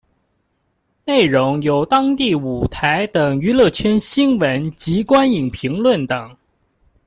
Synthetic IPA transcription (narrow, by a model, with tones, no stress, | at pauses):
ne˥˩ɪɻʊ˧˥ŋjo˨˩ʊt̪ɑ˥ŋt̪i˥˩u˨˩t̪ʰa˧˥ɪt̪ə˨˩ŋy˧˥lɤ˥˩t͡ɕʰɥɛ˥nɕi˥nwə˧˥nt͡ɕi˧˥kwa˥ni˨˩ŋpʰi˧˥ŋlwə˥˩nt̪ɤ˨˩˦ŋ